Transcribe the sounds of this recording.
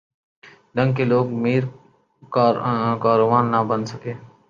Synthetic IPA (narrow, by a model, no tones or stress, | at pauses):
ɖə̃ŋɡkeloːɡmiːɾ | kːkaːɾoːʋaːnːabənsəkeː